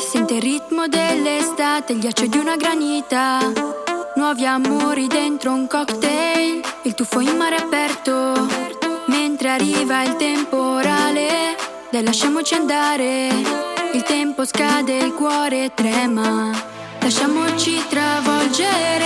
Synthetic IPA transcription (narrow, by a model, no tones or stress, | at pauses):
sɛnt̪erit̪mod̪elːest̪at̪eʎːat͡ʃːed̪junaɡɾanit̪a | nwɔviamoɾid̪ent̪ɾouŋkɔkt̪ejilt̪ufoimmaɾeapɛɾt̪o | ment̪ɾearːiːvailt̪empoɾaːle | d̪ɛlːaʃːamot͡ʃiand̪aːɾe | ilt̪ɛmposkad̪elkwɔːɾet̪ɾɛːma | laʃːaːmot͡ʃit̪ɾavɔld͡ʒeɾ